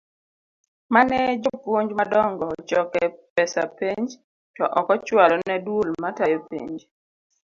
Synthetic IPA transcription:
manɛd͡ʒopwoɲd͡ʒmadɔŋɡɔt͡ʃɔkɛpɛsapeɲd͡ʒ | tɔʔɔkɔt͡ʃwalɔnɛdwolmatajɔpḛɲd͡ʒ

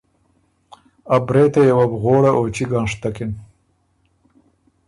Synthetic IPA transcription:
abɾeːt̪ajawabɣoːɽaʔot͡ʃiɡɑːnʂt̪akɪn

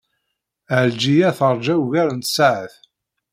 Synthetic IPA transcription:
ʕəld͡ʒijæθəɾˤd͡ʒæwʝæɾənt̪saʕəθ

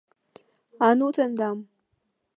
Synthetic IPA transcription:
anut͡sɐnd̪am

